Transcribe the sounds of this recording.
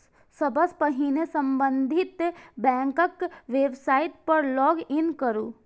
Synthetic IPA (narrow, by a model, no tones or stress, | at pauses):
sɐbʱəspəɦinesə̃mbə̃nd̪ʱɪt̪bɛ̃ːŋkəkʋeːbsaːɪt̪̚pɐɾlɔːɡɪnkəɾuː